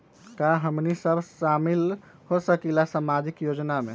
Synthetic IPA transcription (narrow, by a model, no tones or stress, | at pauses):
kaɦəmnisəbʱʃamil | hosəkilasamad͡ʒikjod͡ʒnamḛ